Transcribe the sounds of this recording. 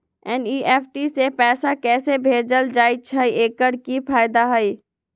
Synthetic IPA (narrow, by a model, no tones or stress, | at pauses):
ɛniːʔɛːpʰʈisepɛːsakɛːsebʱeːd͡ʒəld͡ʒaːit͡ʃʰəieːkəɽkipʰaːɪd̪aɦəi